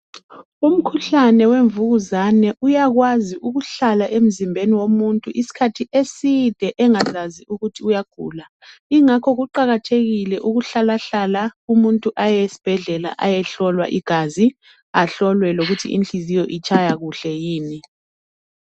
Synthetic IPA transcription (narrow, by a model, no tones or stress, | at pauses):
um̩kʰuɬanɛweɱvuɣuzanɛʔujaɣwaziʔuɣuɬalaʔem̩zimbʱeniwomuntʼuʔisi̥kʰatʰiʔesid̥ʱɛʔɛŋazaziʔuɣutʰiujaɡ̥ʱṵːla | iŋakʰɔɣuǃaɣatʰeɣilɛʔuɣuɬalaɬalaumuntʼuʔajɛjesi̥b̥ʱɛɮɛla̰ʔajɛɬɔlwa̰ʔiɡ̥ʱazi | aɬɔlwɛloɣutʰḭʔḭnɬizijɔʔit͡ʃʰʼajaɣuɬɛjiːni